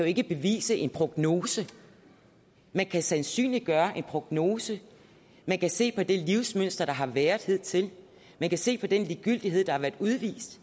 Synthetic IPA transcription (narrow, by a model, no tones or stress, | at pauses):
æjoe̝ɡ̥əb̥e̝ʋḭːsəʔe̝npʰʁo̝ɡ̥no̝ːsə | mænkʰæsænsy̰ːnli̥ɡ̥ɶːɐʔe̝npʰʁoɡ̥no̝ːsə | mænkʰæse̝̰ːpʰɒ̽d̥e̝liʊsmøn̰sd̥ʁɐɾ̥ɑ̈ɦɑ̈ʋeːɐð̩ˠhe̝ð̞̰ˠt͡sʰe̝l | mænkʰæse̝̰ːpʰɒ̽d̥enliːɡ̥yl̰d̥iɦeð̰ˠd̥ɑ̈hɑ̈ʋæːɐd̥uðˠʋḭːsd̥